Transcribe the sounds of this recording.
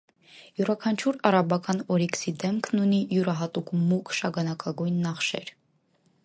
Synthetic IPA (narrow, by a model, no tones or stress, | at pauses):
juɾɑkʰɑnt͡ʃʰuɾɑɾɑbɑkɑnɔɾiksid̪ɛmkʰnunijuɾɑɦɑt̪ukmukʃɑɡɑnɑkɑɡujnːɑχʃɛ̰ɾ